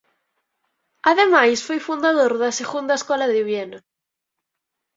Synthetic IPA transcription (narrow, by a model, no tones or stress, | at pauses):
aðemajsfojfund̪aðoɾðɐseɣund̪aeskɔlaðeβjena